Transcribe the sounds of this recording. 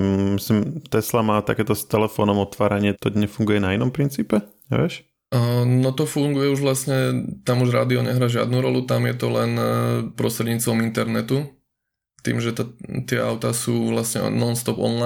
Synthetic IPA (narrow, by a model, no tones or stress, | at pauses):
misimt̪ɛslamaːt̪a̰kɛːt̪ɔst̪ɛlɛfɔːnɔmɔt̪ʋaːɾaɲɪɛt̪ɔɲɛfuŋɡujɛnainɔmpɾint͡siːpɛ | ɛ̰ʋɛʃ | nɔt̪ɔfuŋɡujɛuʒʋlasɲɛt̪amuʒɾa̰ːd̪iɔɲɛɦɾaːʒɪa̰d̪nuːɾɔlut̪amjɛt̪ɔlɛnpɾɔst̪ɾɛd̪ɲiːt͡st̪ʋɔmint̪ɛɾnɛt̪u | t̪ḭːmʒɛt̪at̪ɪɛa̰ʊt̪asuːʋlasɲɛ̰nɔnst̪ɔpɔ̰nla